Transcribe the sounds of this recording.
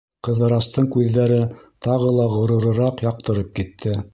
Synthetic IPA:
qɤ̆ðɤ̆ɾɑst̪ɤɴkʉðːæɾɘt̪ɑʁɤlˠɑʁŏɾɤ̆ɾɤ̆ɾɑqjɑq̚t̪ɤ̆ɾɤp̚kit̪ʰːɘ

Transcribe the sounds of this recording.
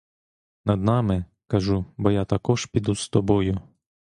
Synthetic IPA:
nɐd̪nɑmɪ | kɐʒubɔjat̪ɐkɔʒpʲid̪ust̪ɔbɔjʊ

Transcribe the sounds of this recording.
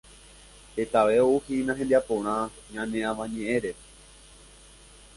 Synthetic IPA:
het̪aʋe̞ouhinãɦẽnd̪iapõɾ̃ã | ɲãnẽãʋãɲẽʔẽɾe

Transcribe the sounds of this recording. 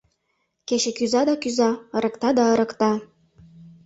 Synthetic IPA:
keʃĕkyzɑd̪ɑkyzɑɤ̆ɾɤ̆kt̪ɑd̪ɑɤɾɤ̆kt̪ɑ

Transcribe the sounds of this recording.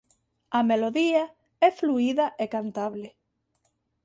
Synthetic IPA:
ameloðia | ɛfluiðaʔekant̪aβle

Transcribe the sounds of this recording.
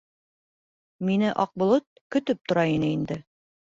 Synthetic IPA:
minɘʔɒq̚bŏlˠot̪̚kɵ̆t̪ɵp̚t̪ŏɾɑinɘind̪ɘ

